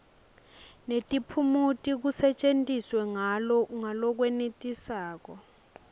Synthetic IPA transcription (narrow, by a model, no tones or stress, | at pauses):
netʼipʰumutʼik̬usɛt͡ʃʼentʼiswɛŋalɔuŋalɔk̬wɛnetʼisaːk̬ɔ